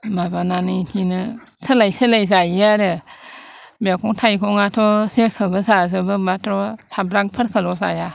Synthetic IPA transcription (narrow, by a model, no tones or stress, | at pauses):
mabananɯtʰinɯ | səlajsɯlajz̬ajaɾɯ | bakʰɔŋtʰajkʰɔŋatʰɔsekʰɯbɯsaz̬ɯbɯmatʰɾɔsabɾaŋpʰɯɾkʰəlɔsa̰ja